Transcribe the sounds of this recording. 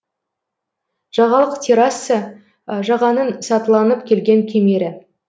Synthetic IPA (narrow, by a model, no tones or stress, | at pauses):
ʒ̥ɑʁɑlˠəqt̪ʰeɾasə | ʒɑʁɑnənsɑt̪əlˠɑnəp̚kʲʰe̞lɡʲe̞ŋkʲʰe̞me̞ɾɪ